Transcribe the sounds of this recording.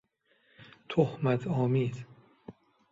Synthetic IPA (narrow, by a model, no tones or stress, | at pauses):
t̪ʰohmæt̪ʰɒːmiːz̥